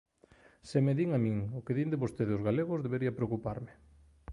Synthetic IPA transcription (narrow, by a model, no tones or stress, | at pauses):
semeðiŋamĩŋʊkeðind̪eβost̪eðɪʊzɣaleɣʊzðeβeɾiɐpɾeokupaɾmɪ